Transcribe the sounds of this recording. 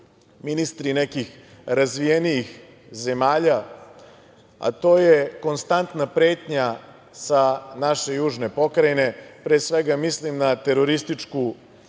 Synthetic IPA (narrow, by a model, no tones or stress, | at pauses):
minist̪ɾinekix | ɾazʋijenijix | ze̞maːʎa | a̰t̪o̞ːjeko̞nst̪ant̪napɾe̞ːt̪ɲa | sanaʃe̞juːʒne̞po̞kɾajine̞pɾesʋeɡamislimnat̪e̞ɾo̞ɾist̪it͡ʂku